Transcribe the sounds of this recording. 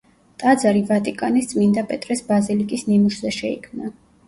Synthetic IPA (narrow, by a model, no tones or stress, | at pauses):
t̪ʼad̪zaɾivat̪ʼikʼanist̪sʼmind̪apʼɛt̪ʼɾɛsbazilikʼisnimuʃzɛʃɛikʰmna